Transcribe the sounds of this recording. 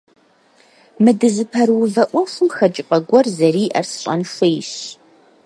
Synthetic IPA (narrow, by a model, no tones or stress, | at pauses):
mɨdɨzɨpʰɐrwʊvɐʔʷɔxɨmxɐt͡ʃʼɪqʼɐɡʷɔrzɐriːʔɐ̰rsɨ̥ɕʼɐ̰nʂɪjɕ